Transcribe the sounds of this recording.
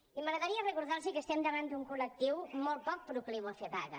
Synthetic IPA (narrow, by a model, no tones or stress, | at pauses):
iməɣɾəðaɾiərəkuɾðaɾsikəst̪ɛmd̪əβand̪uŋkulək̚t̪iwmɔlˠt̪̚pɔk̚pɾukliwəfeβaɣə̰